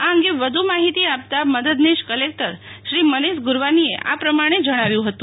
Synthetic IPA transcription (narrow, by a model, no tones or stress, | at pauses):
aə̃ŋɡeʋəd̪ʱumaɦit̪iap̚t̪aməd̪əd̪niʃkəlek̚ʈəɾʃɾiməniʃɡʊɾʋanieʔa̰pɾəmaɽ̃ed͡ʒəɽ̃aʋjũɦət̪ũ